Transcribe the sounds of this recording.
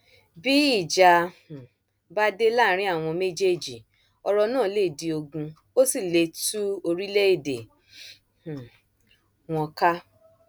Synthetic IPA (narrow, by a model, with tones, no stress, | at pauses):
bi˦i˦˨d͡ʒã˧˨ | ba˦de˦la˦˨˦ɾ̃ĩ˦a˦˨w̃ɔ̃˧me˦d͡ʒe˦˨d͡ʒi˨ | ɔ˧ɾɔ˧nãː˦˨˦le˦˨di˧o˧ɡũ˧ | o˦si˦˨le˧tu˦o˧ɾi˦le˦i˦˨dḛ˨ | h̩˨ | w̃ɔ̃˧ka˦